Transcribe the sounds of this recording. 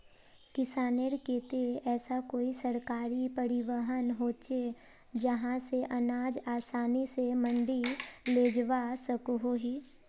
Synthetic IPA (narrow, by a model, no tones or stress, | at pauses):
kɪsaːneɾkeːt̪eɛːsakoːisɐɾkaːɾipɐɾɪʋəɦənɦoːt͡ʃe | d͡ʒəɦãseʔɐnaːd͡ʒaːsaːnisemə̃ɳɖileːd͡ʒʋasəkɦoːɦiː